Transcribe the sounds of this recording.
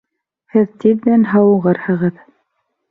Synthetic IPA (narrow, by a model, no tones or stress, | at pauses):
hɘðt̪iðːænɦɑwɤ̆ʁɤɾhɤ̆ʁɤð